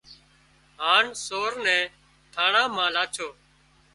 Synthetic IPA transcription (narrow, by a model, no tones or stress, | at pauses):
ɦaːnsoːɾnɛ̃ː | t̪ʰaːɳãːmãːlaːt͡ʃʰoː